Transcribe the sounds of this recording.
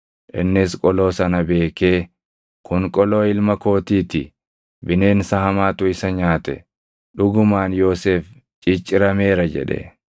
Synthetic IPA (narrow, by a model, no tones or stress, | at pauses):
ʔɪnːɪskʼɔlo̞ːsɐnɐbe̞ːke̞ː | kʊŋkʼɔlo̞ːɪlmɐko̞ːt̪iːt̪ɪ̰ | bɪne̞ːnsɐhɐmaːt̪ʊɪsɐɲaːt̪ɛ̰ | ɗʊɡʊmaːnjo̞ːseːf | t͡ʃʼɪt͡ʃʼːɪɾɐme̞ːɾɐd͡ʒɛ̰ᶑɛ̰